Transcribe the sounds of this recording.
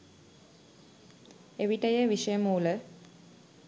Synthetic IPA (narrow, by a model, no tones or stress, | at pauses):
eʋiʈəjəʋiʂəjəmuːlə